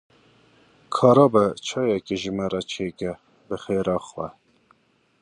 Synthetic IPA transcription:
kʰɑːɾɑːbɛt͡ʃʰɑːjɛkeʒɨmɛɾɑt͡ʃʰeːkɛ | bɨxeːɾɑːxwɛ

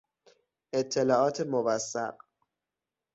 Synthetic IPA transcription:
et̪ʰːelɒːʔɒːt̪ʰemovæsːæ̰ɢ

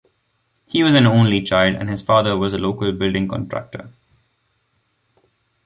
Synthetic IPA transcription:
hiːʋɔzæ̃nõːnlit͡ʃaɪlɖæ̰̃nɖhɪz̥faːd̪əɾʋɔzəloːkəlbɪlɖɪ̃ŋkɔ̰̃nʈɾæ̰k̚ʈə̰

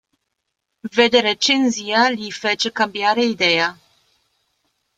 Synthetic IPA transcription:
ved̪eɾet͡ʃenzialifɛt͡ʃekambiaɾeid̪eja

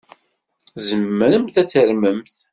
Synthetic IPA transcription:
zəmːəɾəmθæt͡sːəɾməmθ

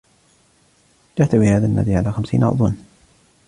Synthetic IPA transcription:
d͡ʒaʕt̪awihaːðanːa̰d̪iʕalaːxamsḭːnʔɑ̰ɾd̪ˤun

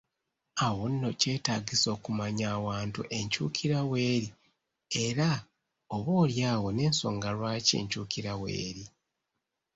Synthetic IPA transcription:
awo̞nːo̞ce̞ːtaːɡiso̞ːkumaɲaːwaːntṵʔe̞ɲcuːkʰiɾawe̞ːɾi | eɾa | oβo̞ːljaːɣo̞ne̞ːnso̞̰ːŋɡalwaːce̞̰ːɲcuːkiɾawe̞̰ːɾi

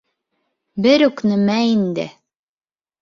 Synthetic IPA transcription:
bɘɾʉknɘ̆mæind̪ɘ̰

